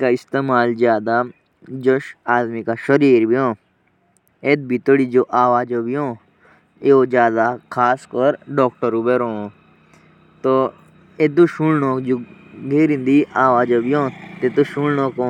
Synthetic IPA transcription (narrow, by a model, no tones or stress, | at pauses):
kaɪst̪eːmaːlzjaːd̪a | d͡ʒoʃaːd̪mikaʃɐɾiːɾbʱiɦõː | et̪̚bʱit̪oɽid͡ʒoːʔaːʋaːd͡ʒobiɦõː | eod͡ʒjaːd̪akʰaːskɔɾɖɔːk̚ʈəɾubeɾõː | t̪o | et̪̬uʃuɽnoːkd͡ʒoɡʱeːɾĩnd̪iʔaːʋaːd͡ʒobiõːt̪et̪oʃuɽnõːkõ